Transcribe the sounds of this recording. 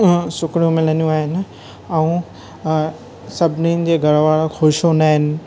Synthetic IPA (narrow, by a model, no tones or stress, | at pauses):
sʊkɽijũmɪlənjũaːɦɪnɪ̆ | ɛũ | sɐbʱɪnin̆d͡ʑeːɡʱɐɾʋaːɭoxoːʃonaːɦɪnɪ̆